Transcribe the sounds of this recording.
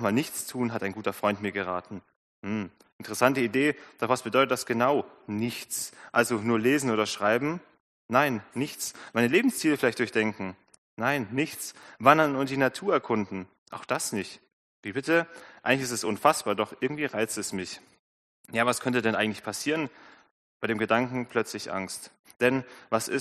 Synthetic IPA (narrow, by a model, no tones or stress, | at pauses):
χmaːlnɪçt͡stʰuːnɦataɪnɡuːtɐfʁ̥ɔʏntmiːɐɡəʁ̞aːtn̩ | hmm̩ | ʔɪntəʁəsantəideːd̥ɔχv̥asb̥ədɔʏtət̚d̥asɡ̥ənaʊnɪçt͡sʔalzonuːɐleːzn̩oːdɐʃʁ̥aɪbm̩ | naɪnːɪçt͡smaɪnəleːbm̩st͡siːləfɪlaɪçtd̥ʊɐçd̥ɛŋkŋ̩ | naɪnːɪçt͡svandɐnʊnt̚d̥iːnatʰuːɐɛɐkʰʊndn̩ | ʔaʊxd̥asnɪçt | viːbɪtəʔaɪɡŋlɪçɪstɛsʔʊnfasb̥aːɐdɔχʔɪɐɡŋ̩tv̥iːʁaɪt͡stɛsmɪç | jaːvaskʰœntədɛnʔaɪŋ̩tlɪçpʰasiːʁən | b̥aɪɾeːmɡədaŋkŋ̩pʰl̥œt͡slɪçʔa̰ŋst | d̥ɛnvasɪ̰s